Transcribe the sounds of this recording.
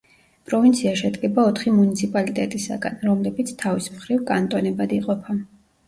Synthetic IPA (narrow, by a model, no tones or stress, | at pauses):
pʼɾɔvint̪sʰiaʃɛd̪ɡɛbaɔt̪ʰχimunit̪sʰipʼalit̪ʼɛt̪ʼisa̰ɡa̰nɾɔmlɛbit̪sʰt̪ʰavismχɾivkʼant̪ʼɔnɛbad̪iqʼɔpʰa